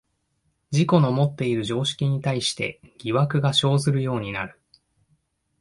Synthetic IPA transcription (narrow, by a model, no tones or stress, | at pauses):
d͡ʑiko̞no̞mo̞t̪ːe̞iɾɯ̟ʑo̞ːɕi̥kʲiɲ̟it̪aiɕi̥t̪e̞̰ɡʲiβakɯ̟ɡaɕo̞ːzɨɾɯ̟jo̞ːɲ̟ina̰ɾɯ̟